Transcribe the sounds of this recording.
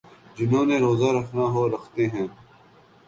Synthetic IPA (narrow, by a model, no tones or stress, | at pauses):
d͡ʒɪnõːnẽːɾoːzaːɾɐkʰnaːɦoːɾɐxt̪eːɦɛ̃ː